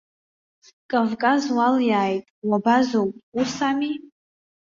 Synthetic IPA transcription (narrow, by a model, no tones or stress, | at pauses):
s | kʼavkʼazwaljaːjtʼwabazowpʼusami